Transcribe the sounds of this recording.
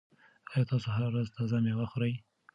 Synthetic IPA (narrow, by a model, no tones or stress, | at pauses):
ɑjɑt̪ɑsoɦaɾaɾazt̪azamewaxoɾəj